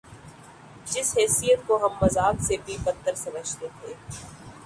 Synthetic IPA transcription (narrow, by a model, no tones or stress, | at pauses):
d͡ʒɪsɦɛːsijət̪koɦɐmːɐzaːksebʱipət̪ːəɾsɐməd͡ʒʱt̪et̪ʰeː